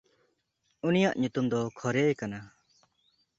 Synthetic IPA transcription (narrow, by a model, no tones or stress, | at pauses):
unijaʔɲut̪umd̪ɔkʰɔɾejkana